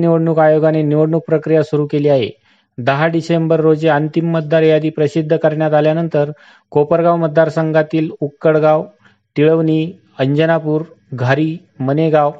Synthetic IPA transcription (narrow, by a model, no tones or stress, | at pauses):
niʋəɽɳukajoɡaneniʋəɽɳuk̚pɾəkɾijasuɾuːkeliːaɦḛ | d̪əɦaɖisembəɾːod͡zeənt̪imːət̪̚d̪aɾjad̪iːpɾəsid̪ʱːəkəɾɳjat̪aljanənt̪əɾ | kopəɾɡawmət̪̚d̪aɾsəŋɡat̪iːlukːəɽɡaʋ | t̪iɭəʋniː | əɲd͡ʑənapuːɾ | ɡʱaɾiː | məneɡaʋ